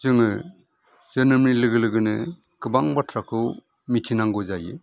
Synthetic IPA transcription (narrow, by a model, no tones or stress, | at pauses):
zɯŋɯ | z̥ɯnɯmnilɯɡɯlɯɡɯnɯkɯbaŋbatʰɾakʰɯw | mitʰinaŋɡɯzajɯ̰